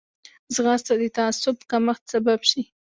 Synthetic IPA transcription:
zɣɑst̪ad̪ət̪aasʊb̚kaməxt̪sababʃi

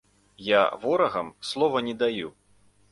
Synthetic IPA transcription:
ja̰vɔɾɐɣɐmslˠɔvɐnʲɛd̪aju

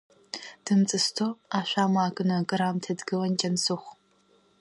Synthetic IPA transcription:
d̥ɨnt͡sʼɨstʰoːaːɕʷaːmaːɡʼɨnɐɡʼɨɾaːmtʰɐdɡɨwɐnd͡ʒɐnsɨχʷ

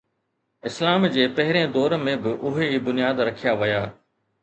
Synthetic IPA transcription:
ɪslaːmd͡ʑeːpɐɦɪɾẽd̪ɔːɾmẽbɪʔʊɦeiːbʊnijaːd̪ɾɐkʰijaʋɐjaː

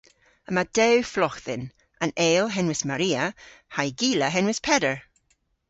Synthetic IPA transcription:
əmad̥ɛwflɔxðɪn | ʔəneːlˠɦɛnwɪsmaɹiːəhajɡiːləɦɛnwɪspʰɛdəɹ

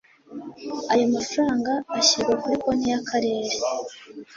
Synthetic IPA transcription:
ajomafɾaːŋɡaːɕiɾɡwakuɾikonijakʰaɾe̞ːɾe

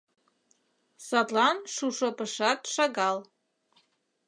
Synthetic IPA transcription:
satʼlanʂuʂapʰʼɨʂatʼʂaɡal

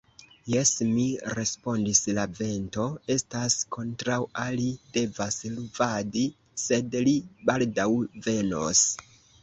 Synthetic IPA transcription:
je̞smiɾe̞spo̞ndislave̞nto̞e̞staskʰo̞ntɾawalide̞vasluvadi | se̞dlibaldawve̞no̞̰s

